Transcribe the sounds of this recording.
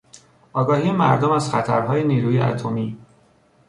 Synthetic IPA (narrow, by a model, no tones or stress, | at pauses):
ɒːɡɒːhiːjemæ̰ɾd̪omæz̥xæt̪ʰæɾɦɒːjeniːɾuːjeʔæ̰t̪ʰo̞miː